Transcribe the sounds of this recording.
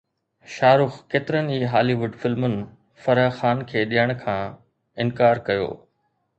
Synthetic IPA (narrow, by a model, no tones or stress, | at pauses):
ʃaːɾʊxkeːt̪ɪɾəniːɦaːliʋʊɖfɪlmʊnɪ̆ | fɐɾəxaːnkʰeːɗijəɽ̃kʰãː | ɪnkaːɾkɐjo̰ː